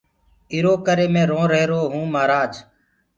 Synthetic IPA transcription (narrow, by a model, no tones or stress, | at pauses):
ɪɾoːkəɾeːmẽːɾõːɾeːɾoːɦũːmaːɾaːd͡ʒ